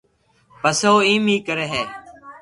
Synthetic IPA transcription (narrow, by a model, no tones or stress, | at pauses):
pəsooːĩːmiːkəɾeːɦeː